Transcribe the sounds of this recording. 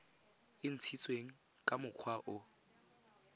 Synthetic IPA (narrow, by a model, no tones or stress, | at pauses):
ɪn̩t͡sʰit͡sʼweŋ̩ | kʼamʊq͡χʰwaʔʊ